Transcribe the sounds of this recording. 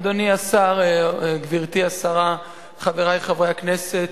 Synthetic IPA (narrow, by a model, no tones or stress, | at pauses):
d̪oniasaʁɡviʁt̪iasaʁa | χaveʁajχavʁejakne̞set